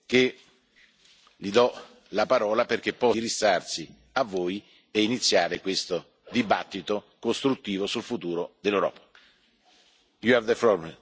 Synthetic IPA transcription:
k̟e | lid̪ɔ | lapaɾɔːlaperk̟epːɔɾisːarsi | avːoːj | einit̪sːjaːɾekwest̪o | d̪ibat̪ːit̪o | kost̪ɾut̪ːiːvosulfut̪uːɾod̪elːewɾɔ̰ːpḁ | juɛvd̪əfɾɔɾmɛ

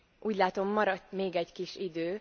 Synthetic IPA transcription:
ʔuːɟlaːt̪o̞mːɒɾɒt̪meːɡɛɟkiʃid̪øː

